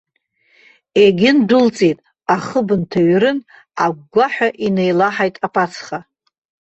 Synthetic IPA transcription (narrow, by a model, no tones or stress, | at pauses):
eɡʲɪndʊlt͡sʼitʼ | aχəbɨntʰaɥɾɨn | aɡ̚ʷɡʷaħᶣaʔinejlaħajtʼapʰʼat͡sʰχa